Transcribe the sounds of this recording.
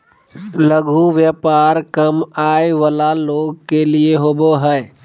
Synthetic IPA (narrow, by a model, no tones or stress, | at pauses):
ləɡʱuʋjəːpaːɾkəmaːeʋəlaloːɡ̚kelieɦoːboɦɛː